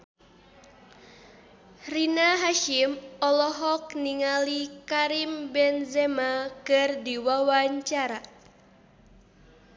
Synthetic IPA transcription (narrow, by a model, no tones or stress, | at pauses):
rinaɦaʃimɔlɔɦɔk̚niŋalikaɾimbɛnzɛmakɨrdiwawaɲt͡ʃaɾa